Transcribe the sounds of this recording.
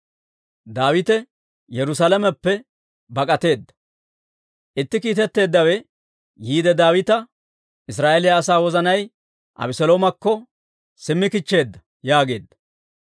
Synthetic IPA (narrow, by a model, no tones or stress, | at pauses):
d̪aːwɪt̪ɛ | jɛɾʊs̬ɐlɐmɛpːɛ | bɐkʼɐt̪e̞ːd̪ːɐ̥ | ʔɪt̪ːɪkiːt̪ɛt̪ːe̞ːd̪ːɐwɛ | jiːd̪ɛd̪aːwɪt̪ɐ | ʔɪs̬ɾaːʔɛlɪjɐːsaːwɔzɐnɐj | ʔɐ̰bɪsɔloːmɐkːɔ | sɪmːɪkɪt͡ʃːe̞ːd̪ːɐ | jaːɡe̞ːd̪ːɐ̥